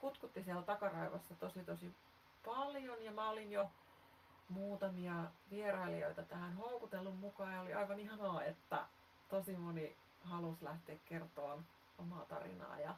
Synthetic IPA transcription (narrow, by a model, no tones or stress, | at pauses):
kut̪kut̪ːisielt̪ɑkɑrɑiʋɑsːɑt̪osit̪osi | pɑljonjɑmæolinjo | muːt̪ɑmiɑʋierɑilio̰it̪ɑt̪æhænhoukut̪elːummukɑːjɑoliɑiʋɑnihɑnɑːet̪ːæ̰ | t̪osimoni | hɑluslæht̪eːkkert̪oːn | omɑːt̪ɑ̰rḭnɑ̰ːjɑ